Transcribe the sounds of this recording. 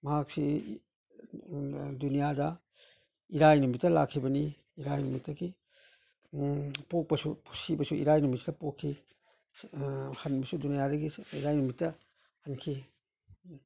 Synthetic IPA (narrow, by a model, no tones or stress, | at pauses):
mɐhak̚si | dunijadɐ | iɾajnumitːɐla̰kʰːibɐni | iɾajnumitːɐɡi | pok̚pɐsupʰu̥sibɐsuḭɾajnumit̚sitɐpokʰːi | hɐnbɐsudunijadɐɡiiɾajnumitːɐ | hɐnkʰi